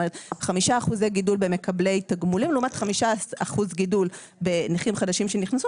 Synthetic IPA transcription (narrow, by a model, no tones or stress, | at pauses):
meet̪χamiʃaːχuzejɡidulbe̞me̞kable̞jtaɡmulimloumatχamiʃaaχuzɡidul | be̞niχimχadaʃimʃe̞niχnasu